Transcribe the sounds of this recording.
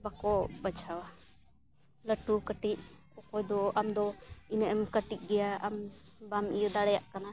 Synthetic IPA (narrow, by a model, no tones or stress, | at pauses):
bakɔbət͡ʃʰawa | ləʈukəʈiʔ̚kɔkɔjd̪ɔʔamd̪ɔinəʔɛmkəʈiʔ̪̚ˀɡɛjaambamijɔd̪aɽɛjaʔkana